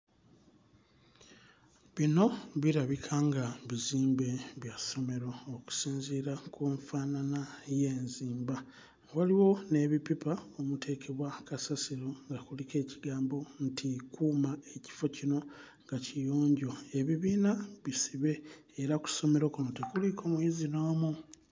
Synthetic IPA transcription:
βino̞βiɾaβikʰaŋɡaβiziːmbe̞βjaso̞me̞ɾo̞oku̥siːnziːɾakʰuːɱfananaje̞ːnziːmba | waliwo̞ne̞ːβipipaomutʰe̞ːkʰe̞βwakasasiɾo̞ŋɡakulike̞ːciɡaːmbo̞ntikuːmae̞ci̥fo̞cino̞ | ŋɡacijoːɲɟo̞e̞βiβiːnaβisiβe̞ː | ɾaku̥so̞me̞ɾo̞kunotekulikʰo̞mujizinoːmu

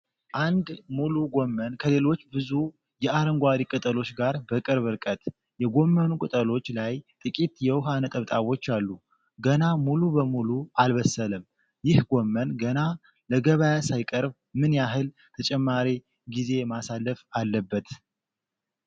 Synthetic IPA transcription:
ʔand̪muluɡo̞mːənkʰəle̞lo̞t͡ʃːbɨzu | jɛʔaɾəŋɡʷaɾikʼɨt̪ʼəlo̞t͡ʃːɡaɾbəkʼɨɾβɨɾkʼət̪ | jɛɡo̞mːənukʼɨt̪ʼəlo̞t͡ʃːlajt̪ʼɨkʼit̪jɛwɦanət̪ʼəβt̪ʼawo̞t͡ʃːalːu | ɡənamulubəmuluʔalβəsːələm | jɪhɡo̞mːənɡəna | ləɡəβajasajkʼəɾb | mɨnjaɦɨl | t̪ʰət͡ʃʼɛmːaɾi | ɡize̞masalːəfalːəbːət̪

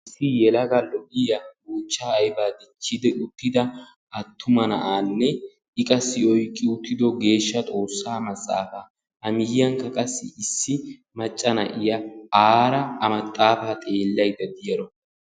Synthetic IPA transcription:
ɪsːɪjɛlɐɡɐlːɔʔɪjɐboːt͡ʃːaːjbaːd̪ɪt͡ʃːɪd̪ɛʔʊt̪ːɪd̪ɐ | ʔɐt̪ʰːʊmɐnɐ̰ʔaːnːɛ | ɪkʼɐsːɪɔjkʼːɪʊt̪ːɪd̪ɔɡe̞ːʃːɐt̪ʼo̞ːsːaːmɐt͡sʼːa̰ːfaː | hɐmɪjːɐŋkɐkʼɐsːɪ̰ɪsːɪ | mɐt͡ʃʼːɐnɐ̰ʔɪjɐaːɾɐmɐt̪ʼːaːfaːt̪ʼe̞ːlːɐjd̪ɐd̪ɪjɐɾɔ

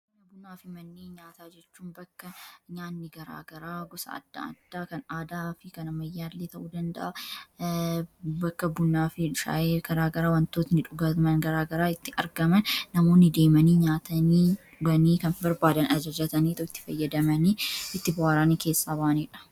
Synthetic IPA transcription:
nɐbʊnːaːfɪmɐnːeːɲaːt̪aːd͡ʒɛt͡ʃːuːnbɐkːɐɲaːnːɪɡɐɾa̰ːɡɐɾaːɡɔsɐ̰ɐ̰d̪ːa̰ɐ̰d̪̥ːaːkɐnaːd̪aːfɪkɐnɐmɐjːaːlːeːt̪ɐʔuːd̪ɐnd̪ɐ̰ʔɐ | bɐkːɐbʊnːaːfɪʃa̰ːʔeːɡ̥ɐɾaːɡɐɾaːwɐnt̪o̞ːt̪nɪᶑʊɡɐmɐnɡɐɾaːɡɐɾaːɪt̪ːɪʔɐɾɡɐmɐnːɐmo̞ːnːɪd̪e̞ːmɐniːɲaːt̪ɐniːᶑʊɡɐniːkɐnbɐɾbaːd̪ɐnɐd͡ʒɐd͡ʒɐt̪ɐniːt̪ɔɪt̪ːɪ̥fɐjːɐd̪ɐmɐniːɪt̪ːɪbɐwaːɾaːniːke̞ːsːaːbaːniːᶑɐ̥

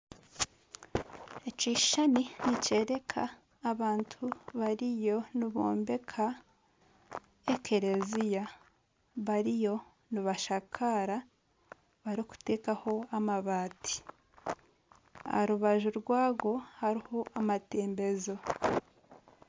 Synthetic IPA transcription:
eciːʃaninice̞ːɾe̞kʰaː | βaːntʰuβaɾijo̞niβo̞̰ːmbe̞kʰa | ekʰe̞ɾe̞zija | βaɾijo̞ | niβaʃakʰaɾa | βaɾiku̥te̞ːkaho̞amaβaːtʰi̥ | a̰hɾuβaʒuɾɡwaːɡo̞haɾiho̞amate̞ːmbe̞zo̞

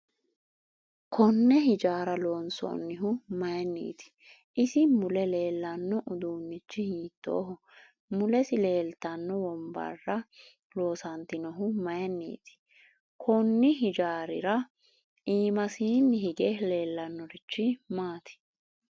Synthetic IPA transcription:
kʰɔnːɛɦɪd͡ʒaːɾɐlo̞ːnsɔ̰ːnːɪɦʊmɐjɛnːḭːt̪ɪ̥ | ʔɪsɪmʊlɛle̞ːlːɐnːɔʔʊd̪uːnːɪt͡ʃːɪhiːt̪ːo̰ːɦɔ | mʊlɛsɪle̞ːlt̪ɐnːɔwɔmbɐ̰rːɐ | lo̞ːsɐnt̪ɪnɔɦʊmɐjɛnːḭːt̪ɪ̥ | kʰɔnːɪɦɪd͡ʒaːɾɪɾɐ | iːmɐsiːnːɪɦɪɡɛle̞ːlːɐnːɔɾɪt͡ʃːɪmaːt̪ɪ̥

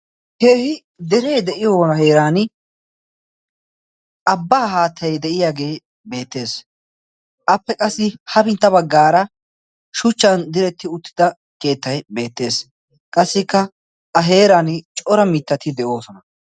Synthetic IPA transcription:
heːhɪ | d̪ɛɾejd̪ɛʔɪjonɐɦe̞ːɾaːnɪ | ʔɐbːaːɦaːt̪ʰːɐjd̪ɛʔɪjaːɡe̞ː | be̞ːt̪ːe̞ːs | ʔɐpːɛkʼɐsːɪhɐbɪnt̪ːɐbɐɡːaːɾɐ | ʃʊt͡ʃːɐnd̪ɪɾɛt̪ːɪʊt̪ːɪ̥d̪ɐ | ke̞ːt̪ːɐjbe̞ːt̪ːe̞ːs | kʼɐsːɪkːɐ | ʔɐɦe̞ːɾant͡ʃʼɔɾɐmɪt̪ːɐt̪ɪd̪ɛʔo̞ːsɔnɐ

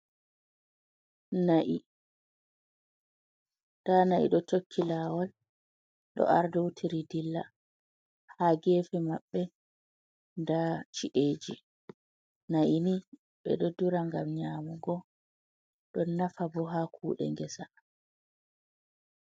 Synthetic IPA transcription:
naʔi | d̥anaʔḭɗɔtokʰːilaːwal | ɗɔ̰ʔa̰ɾdɔwutʰiɾidilːa | haɡeːfɛmaɓːɛ | ndat͡ʃiʔeːd͡ʒi | naʔini | ɓɛ̰ɗodːuɾaŋɡamɲaːmuɡɔ | ɗɔnːafabɔɦakʰuːɗɛ̰ŋɡɛsa

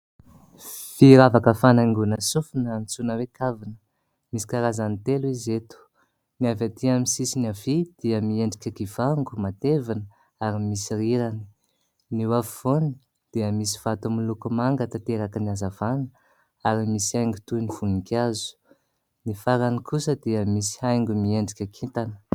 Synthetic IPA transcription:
fiɾavakəfanaiŋɡunəsufinːmit͡sunəwekavinə̥ | misi̥kaɾazanit̪eluizet̪u̥ | miavat̪iamisisiniavid̪̥iəmieɳɖ͡ʐikʲakivaŋɡumat̪evanə | aɾimisiriɾani̥ | niwavivoni | d̪̥iəmisi̥v̥at̪umilukumaŋɡat̪at̪eɾakəniazavanə | aɾimisiajŋɡut̪univ̥unikʲazu̥ | nifaɾanikʰusəd̪iəmisi̥hajŋɡumieɳɖ͡ʐikʲakʰit̪anə̥

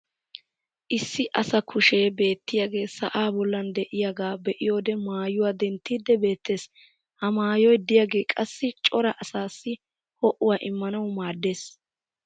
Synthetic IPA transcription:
ʔɪsːɪʔɐsɐkʰʊʃe̞ːbe̞ːt̪ːɪjaɡe̞ːsɐʔaːbɔlːɐnd̪ɛʔɪjaɡaːbɛʔɪjo̞ːd̪ɛmaːjʊwaːd̪ɛnt̪ːiːd̪ːɛbe̞ːt̪ːe̞ːs | hɐmaːjɔjd̪ɪjaɡe̞ːkʼɐsːɪt͡ʃʼɔɾɐʔɐsaːsːɪ | hɔʔʊwaːʔɪmːɐnɐwmaːd̪ːe̞ːs

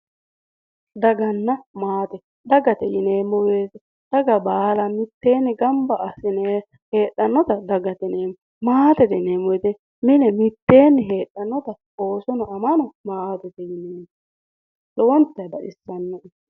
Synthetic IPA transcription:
d̪ɐɡɐnːɐmaːt̪ɛ | d̪ɐɡɐt̪ɛjɪneːmːɔweːt̪ɛ | d̪̥ɐɡɐbaːlɐmɪt̪ːe̞ːnːɛɡɐmbɐʔːsɪne | he̞ːɗːɐnːɔt̪ɐd̪ɐɡɐt̪ɛneːmːɔ | maːt̪ɛt̪ɛneːmɔjt̪ɛ | mɪnɛmɪt̪ːe̞ːnːɛɦe̞ːɗːɐnːɔt̪ɐ | oːsɔnɔɐmɐnɔmaːt̪ɛt̪ɛjɪneːmːɔ | lɔwɔnt̪ːɐjd̪ɐʔɪsːɐnːɔ

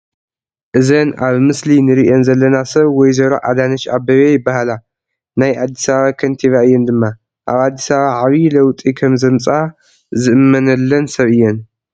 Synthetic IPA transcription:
ʔɨzɐnʔaβmɨslinɨɾiʔonzɐlːɐnasɐβwɔjzɐɾoʔa̰d̪anɐt͡ʃabɐβejɪbːahala | najʔad̪ːisaβaβakʰɐnt̪ʰiβaɨjːɛnd̪ɨmːa | ʔaβad̪ːisaβaβaʕaβilɐwt̪ʼikʰɐmzɐmt͡sʼa | zɨʔɨmːɐnɐlːɐnsɐβʔɨjːɛn

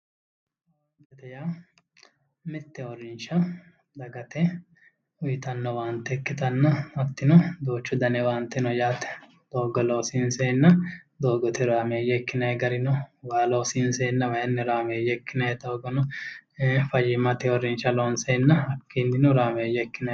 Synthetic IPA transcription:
od̪ɐt̪ɛjaː | mɪt̪ːɛɔɾɪnʃɐ | d̪ɐɡɐt̪ɛ | ʊjɪt̪ɐnːɐwaːnt̪ːɛkːɪt̪ɐnːɐɐt̪ːɪnɔd̪oːt͡ʃːʊd̪ɐnɛwaːnt̪ːɛnɔjaːt̪ɛ̥ | d̪̥oːɡɔloːsinsenːɐd̪o̞ːɡɔt̪ɛɾaːmeːjɛkːɪnɐjɛɡɐɾɪnɔwaːloːsinsenːɐwɐjɛnːɛɾaːmeːjɛkːɪnɐjɛt̪oɡɔnɔ | fɐjɪmɐt̪ɛɔɾɪnʃɐloːnsɛnːɐɐkːinːɪnʊɾaːmeːjɛkːɪnɐ

